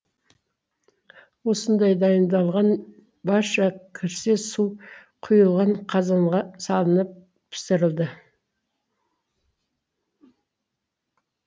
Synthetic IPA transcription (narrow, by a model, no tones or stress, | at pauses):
wo̞sənd̪ɑjd̪ɑjənd̪ɑlˠʁɑn | bɑɾʃɑkʲʰɪɾsesu | qʰʊjəlˠʁɑɴqʰɑzɑɴʁɑsɑlˠənəp̚ | pʰɪ̥sɪɾɪlˠd̪ə